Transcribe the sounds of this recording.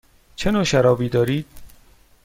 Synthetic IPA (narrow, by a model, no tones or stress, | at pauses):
t͡ʃʰenoːʃæɾɒːbiːd̪ɒːɾiːd̪̥̚